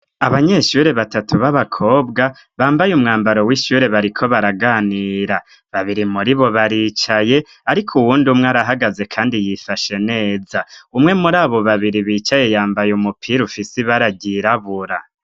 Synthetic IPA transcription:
aβaɲe̞ʃuːɾe̞βatatʰuβaβakʰo̞ːbɡa | βaːmbajumŋaːmbaɾo̞wiʃuɾe̞βaɾikʰo̞βaɾaɡaːniːɾa | βaβiɾimuɾiβo̞βaɾiːt͡ʃaje̞ | aɾikʰuwuːndumŋeaɾaɦaɡaze̞kʰaːndijifaʃe̞ne̞ːzaumŋe̞muɾaːβo̞βaβiɾiβiːt͡ʃaje̞jaːmbajumupʰiɾufisiβaɾaɟiɾaβuɾa

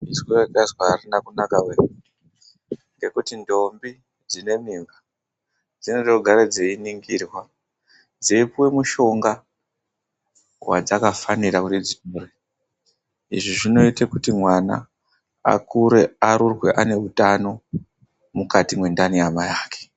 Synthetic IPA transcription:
izweekazwaːrinakunakawen | ŋɡe̞kutindo̞mbi | d͡zine̞miːmba | d͡zinedoɡʱaɾad͡zeiniŋɡiːrwa | d͡zeipuwe̞muʃo̞ŋɡa | wa̰d͡zakafaniɾakutid͡zitore | iʐiʐino̞itekutimwana̰ː | kuɾe̞aɾurwe̞ʔane̞ɦutano̞ | mukatimwe̞ndaniamajaːke̥

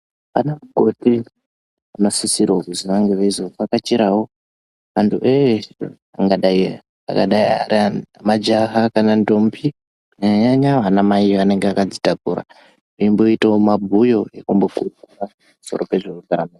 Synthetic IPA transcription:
pa̰namuɡʱo̞ti | anosisiɾokuziʋaŋɡeʋaizokakat͡ʃiɾawo̞ | ʋantʰuʔe | a̰ŋɡaɗai | a̰kaɗaia̰ɾiaamad͡ʒaɦakanando̞mpi | ɲaɲaɲaʋanamaiʋane̞ŋɡeakad͡zi̥takuɾa̰ | eimbo̞itaomabʱujo̞e̞kumbo̞kurukura | muso̞̰ɾope̞ʐeudano

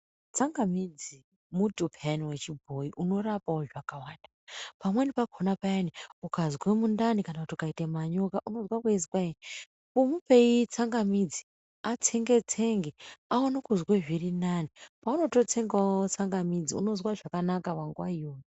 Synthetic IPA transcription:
t͡saŋɡamid͡zi | mutupʰeaniwe̞t͡ʃibʱo̞iʔuno̞rapaoʐakawaːnda | pamwe̞nipakʰonapajaniukazwemundanikanautokaitemaɲokaʔuno̞zwakwezikwain | pomupe̞it͡saŋɡamid͡zi̥ | at͡sʰeŋɡe̞t͡sʰe̞ŋɡeaonakuzweʐirinanipauno̞tot͡sʰe̞ŋɡaot͡saŋɡamid͡ziṵnozwaʐakanakaʋaŋɡuwaioːni

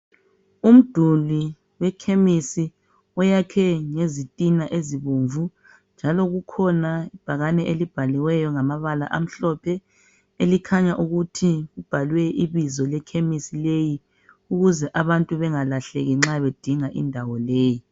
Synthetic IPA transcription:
um̩d̥ʱuli | wɛkʰemisi | ɔjakʰɛŋezitʼinaʔeziβuɱvu | nd͡ʒʱalɔɣukʰɔnaib̥ʱaɣanɛʔelib̥ʱaliwɛjɔŋamaβala̰ʔa̰m̩ɬɔpʰɛ | elikʰaɲaʔuɣutʰiɣub̥ʱalwɛʔiβizɔlɛkʰemisileji | uɣuzɛʔaβantʼuβɛŋalaɬɛ̰ɣɛŋ͡ǁaβed̥ʱiŋaʔḭndʱawɔleːji

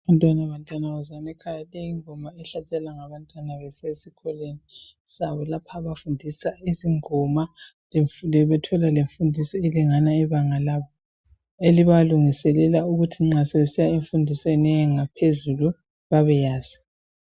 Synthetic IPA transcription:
aβantʼwanaβantʼwanaazanɛkʰajalejiŋɔmaɛɬat͡ʃʼɛlaŋaβantʼwanaβɛsesikʰɔleni | saβɔlapʰaβafundʱisaiziŋɔma | ɛβɛtʰɔlaleɱfundʱisɔeliŋanaiβaŋalaβɔ | eliβaluŋisɛlɛlauɣutʰiŋ͡ǁasɛβɛsijaeɱfundʱisɛnɛŋapʰezulu | βaβɛjaːzi

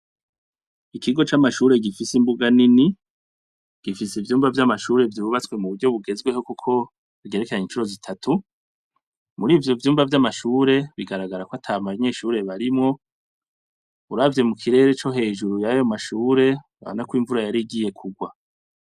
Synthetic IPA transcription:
ikʰiɡo̞t͡ʃamaʃuːɾe̞ɡifisimbuɡanini | ɡ̥ifisivjuːmvavjamaʃuːɾe̞vjuuβat͡swe̞muβuɾɟo̞βuɡe̞zɡwe̞ho̞kukʰo̞ | βɡe̞ɾekeaɲint͡ʃuɾo̞zitʰatʰu | muɾiːvjo̞vjuːmbvavjamaʃuːɾe̞βiɡaɾaɡaɾakoatʰamaɲe̞ːʃuːɾe̞βaɾimŋo̞ | uɾavje̞mukʰiɾe̞ːɾe̞t͡ʃo̞ɦe̞ːʒuɾujajo̞maʃuːɾe̞ | a̰βa̰nakwiːɱvuɾajaɾiɡiːje̞kʰuɡwa

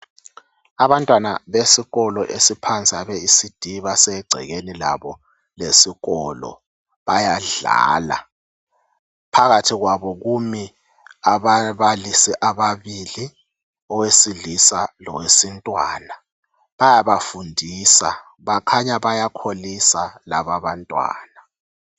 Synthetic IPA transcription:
aβantʼwana̰βesiɣɔlɔʔesipʰant͡sʼaβeisid̥ʱiβasɛɡ͡ǀʱɛ̰ɣenila̰βɔ | lesiɣɔlɔ̰ | βajaɮa̰ːla̰ | pʰaɣatʰiɣwaβɔɣumi | aβaβalisiʔaβaβili | ɔwesiɮisalɔ̰wesintʼwaːna | βajaβafundʱiːsa̰ | βakʰaɲaβajakʰolisalaβaβantʼwa̰ːna

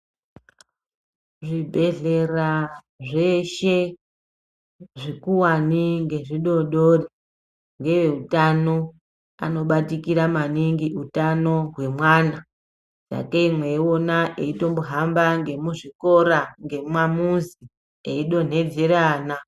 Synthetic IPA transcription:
ʐibʱe̞ɮe̞ra | ʐe̞ʃe | ʐikuwaniŋɡe̞ʐiɗo̞ɗori | ŋɡe̞ʋe̞utano | a̰no̞ɓatikiɾamaniŋɡiutano̞ɦwe̞mwana | d͡za̰keimwe̞onaʔeito̞mboɦambaŋɡe̞muʐiko̞ɾaŋɡe̞mamuzi | eiɗo̞n̤e̞d͡zeɾana

